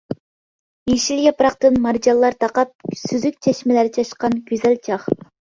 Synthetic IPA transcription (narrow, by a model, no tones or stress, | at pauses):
iʃiljɑpɾɑq̚t̪ɨnmɑɾd͡ʒɑlˠːɑɾt̪ʰɑqɑp̚syzyk̚ʲt͡ʃʰɛʃmɛlæɾɪt͡ʃʰɑʃqɑnɡʲyzɛlt͡ʃʰɑχ